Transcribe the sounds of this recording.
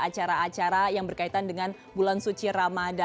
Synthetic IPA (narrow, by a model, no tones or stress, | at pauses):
at͡ʃaɾaːt͡ʃaɾajaŋbərkait̪andəŋan | bulansut͡ʃiɾamada